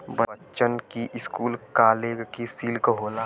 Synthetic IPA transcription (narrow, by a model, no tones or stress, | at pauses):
bəətːt͡ʃənkiʔɪskuːlkaːleːɡkisiːlkɦoːlaː